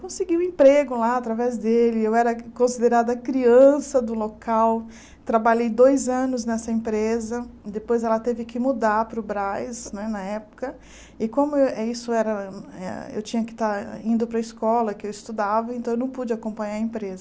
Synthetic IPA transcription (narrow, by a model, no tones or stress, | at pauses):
kõsɪɡiʊ̃ẽpɾeɡʊlaat̪ɾavɛzd̪elɪewɛɾɐkõsid̪eɾad̪ɐkɾiɐ̃sɐd̪ʊlokaw | t̪ɾabaʎejd̪ojzɐ̃nʊznɛsɐẽmpɾezɐd̪epojzɛlɐt̪evɪkɪmud̪aɾpɾʊbɾajsnɛnɐɛpʊ̥kɐ | ɪkõmʊɛisʊɛɾɐɛ̰ḛwt͡ʃĩɲɐkɪ̥t̪aɾĩnd̪ʊpɾɐɪskɔlɐkɪewɪst̪ud̪avɐẽnɐ̃ewnɐ̃w̃pud͡ʒɪakõpɐ̃ɲaɾɐẽpɾezɐ